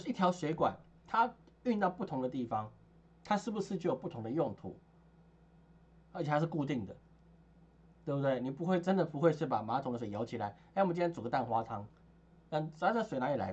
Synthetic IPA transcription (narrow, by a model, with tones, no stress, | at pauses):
i˥t̪ʰjɑ˧˥ʊɕwe˧˥ɪkwa̰˨˩n | t̪ʰa˥y˥˧nt̪ɑ˥˧ʊpu˥˩t̪ʰʊ˧˥ŋd̪ə˧t̪i˥˩fɑ˧˦ŋ | t̪ʰa˥ʂɻ̩˥˩bu˩ʂɻ̩˥t͡ɕo˥˩jo˨˩pu˥˩t̪ʰʊ˧˦ŋd̪ə˧jʊ˥˧ŋt̪ʰṵ˨˩˦ | ə˧˥t͡ɕ̪ʰa˥ʂɻ̩˥˧ku˥˧t̪i˥˩ŋd̪ə˩ | t̪we˥˩bu˧t̪we˥˩ɪni˨˩pu˧˥xwe˥˩ɪʈ͡ʂə˦˥nd̪ə˨pu˧˥xwe˥˧ɪʂɻ̩˥˩pa̰˨˩ma˧˥t̪ʰʊ˧˥ŋdə˧˩ʂjo˧˥ʊt͡ɕʰi˨˩la˨˦ɪ˥˨mə˦t͡ɕnʰjɛ˥t͡su˨˩ɡə˦t̪a˥˩nxwa˥tʰɑ˥ŋ | na˥˩ŋsswe˧ɪna˧˥i˨˩la̰˧˦